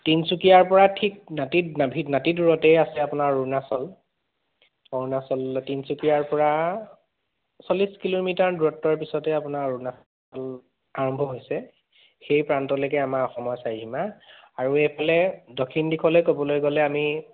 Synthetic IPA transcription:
tinsukijaɹpɔɹatʰik̚natinabʱinatiduɹɔtɛjasɛapʊnaɹːunasɔl | ɔɹunasɔltinsukijaɹpɔɹa | sɔliskilomitaɹduɹɔtːɔɹpisɔtɛapʊnaɹːuna | ɔl | aɹɔmbʱɔɦojsɛ | xejpɹantɔlokɛamakɔxɔmɔjsajɦima | aɹuɛjpʰalɛdɔkʰːindikʰɔlojkobɔlojɡɔlɛami

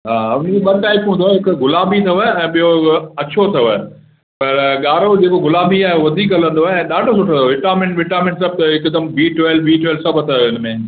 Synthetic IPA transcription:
ɦaːʊnd͡ʑeɓɐʈaːɪpɦũnd̪oaːɦɪkɡʊlaːbʱit̪ʰɐʋəɛ̃ːɓijoɐt͡ɕʰot̪ʰɐʋə | pɐɾɠaːɾod͡ʑeːkoɡʊlaːbʱiaːɦeʋɐd̪ʱiːkɐlə̃nd̪oaːeɛ̃ːɗaːɖʱosʊʈʰõʋɪʈaːmɪ̃ɳʈʋɪʈaːmɪ̃ɳʈs̬ɐb̚t̪ɐɪkd̪əmbiːʈwɛːlbiːʈwɛːlsɐbt̪ʰaɪnmẽ

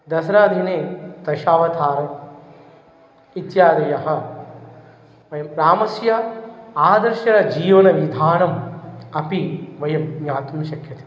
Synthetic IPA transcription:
d̪ɐsɐɾaːd̪ʱineːt̪ɐʃaːʋɐt̪ʰaːɾɐ | it̪jaːd̪ɐjɐɦɐ̆ | ʋɐjɐmpɾaːmɐsjɐaːd̪ɐɾʃɐɾɐd͡ʒiːʋɐnɐʋid̪ʱaːnɐmɐpiʋɐjɐmjaːt̪umʃɐkʰjɐt̪e̥

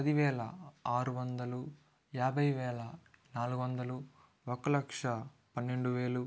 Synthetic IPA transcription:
ɐd̪iʋɛːlɐaːɾuʋɐnd̪ɐlu | jaːbʱɐjʋɛːlɐnaːluɡuʋɐnd̪ɐlu | ɔkːɐlɐkʂɐ | pɐnːe̞ɳɖuʋeːlu

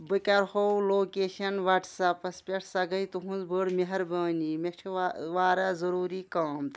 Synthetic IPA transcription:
bɨkʲɐɾhowloːkeːʃɐnʋɐʈsɐpɐspʲeʈʰsɐɡɐjt̪uɦũnzbəɽmeɦɐɾbɐːniːmet͡ʃʰiʋaːɾazɐɾuːɾiːkaːmt̪

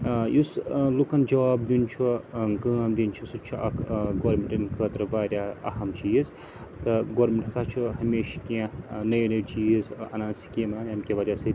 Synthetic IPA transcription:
juslukɐnd͡ʒɐʋaːb̚d̪int͡ʃʰuɡɐːmd̪int͡ʃʰusut͡ʃʰuɐkʰɡoːɾmeɳʈɐnkʰəːt̪ɾɨbaːɾʲjaːɐ̰ɦɐmt͡ʃiːz | t̪ɨɡoːɾmʲeɳʈsaːt͡ʃʰuɦɐmeːʃkinɐjnɐt͡ʃiːzɐ̰nãːnsi̥kiːmaːnɐmkʲeʋɐd͡ʒasɐ

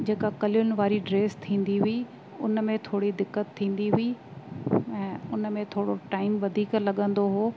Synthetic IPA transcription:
d͡ʑeːkakɐljʊnɪ̆ʋaːɾiɖɾeːst̪ʰĩːnd̪iɦʊi | ʊnmẽt̪ʰoːɽid̪ɪkːət̪ʰːĩːn̆d̪iɦʊi | ɛ̃ːʊnmẽt̪ʰoːɽoʈaːɪmʋɐd̪ʱiːklɐɠə̃nd̪oɦoː

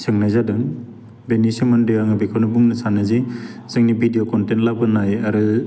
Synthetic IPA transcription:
sʰɯŋnajzadɯŋ | benisiŋmandɯaŋɯbekʰawnɯbuŋnɯsanaziz̥ɯŋnibʱidijokɔntentlabɯnajaɾɯ

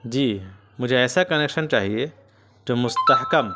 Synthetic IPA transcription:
d͡ʒiː | mʊd͡ʒʱeɛsakɐneksənt͡ʃaːɦije | t̪omʊst̪ɐɦkɐm

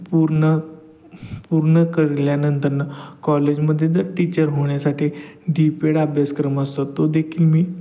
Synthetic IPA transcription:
puɾɳə | puɾɳəkəɾljanənt̪əɾnəkɔled͡ʑməd̪ʱːjed͡zʱəɾʈit͡ɕəɾɦoɳjasaʈʰiːɖipeɽabʱjaskɾəməst̪ot̪ːod̪ekʰiːlmiː

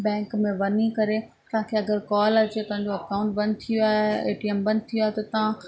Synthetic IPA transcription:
bɛ̃ːŋkmẽʋɐnikɐɾe | t̪ɐʋ̤ãkʰeɐɡəɾkaːlɐt͡ɕet̪ɐɦãɲd͡ʑoɐkãʊ̃ɳʈ̚bɐ̃nt̪ʰijoaːɦeḛːʈiembɐ̃n̚t̪ʰijoaːɦet̪ɐt̪ɐʋã

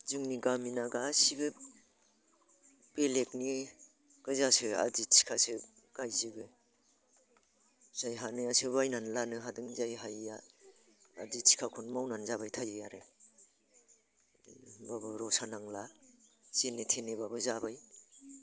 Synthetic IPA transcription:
zuŋniɡaminaɡaːsiɡɯ | b̥elek̚ni | ɡ̥ɯzasɯa̰ditsʰi̥kʰasɯ | ɡ̥ajzɯɡɯ | z̥ajɦanɯasɯbajnanlanɯɦadɯŋzajɦaja | a̰disʰi̥kʰakʰunmawnanzabajtʰajɯjaɾɯ | babɯɾɔsanaŋla | senetʰenebabɯzabaj

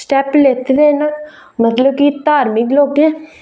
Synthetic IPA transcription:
sʈɛːpleːt̪ed̪eːna | mət̪ləb̚kit̪aːɾmɪkloːɡɛ̃ː

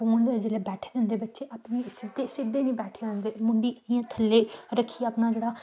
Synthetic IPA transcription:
oːɳd̪ed͡ʒeːleːbɛːʈʰeːd̪ɪnd̪eːbətːʃeːʔapnẽːsɪd̪eːsɪd̪eːnĩːbɛːʈʰeːə̃ːnd̪eːmʊɳɖiːijãːt̪ʰəlːeːɾəkʰːiːpnaːd͡ʒeːɽaː

